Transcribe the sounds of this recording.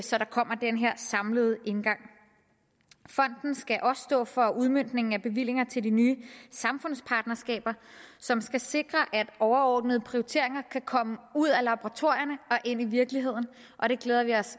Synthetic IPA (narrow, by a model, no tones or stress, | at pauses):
sɒ̽ɾɑ̈kʰɒ̽m̰ɐd̥enɦeɐ̰sɑ̈mləð̞ˠəe̝nɡ̥ɑ̈ŋ̰ | fɒ̽n̰d̥n̩sɡ̥æʔɒ̽ssd̥ɔ̰ːfɒ̽uð̞ˠmøn̰d̥ne̝ŋŋ̩æb̥e̝ʋil̰e̝ŋɐt͡sʰe̝ld̥inyːsɑ̈mfɔ̽n̰spʰɑ̈ːd̥nɐsɡ̥ɛ̰ːb̥ɐsɒ̽msɡ̥æse̝ɡ̥ʁɐʔæd̥ʔɒʊɐɒːd̥nəð̞̩ˠəpʰʁioit͡sʰe̝ɐe̝ŋɐkʰækʰɒ̽məuð̞̰ˠælɑ̈boʁɑ̈t͡sʰo̝ɐ̰jɐnəɒ̽ʔe̝n̰iʋiɐɡ̥liɦe̝ð̞̰ˠn̩ | ʔɒ̽ɾ̥e̝ɡ̥leːð̞ˠɐʋiɒ̽s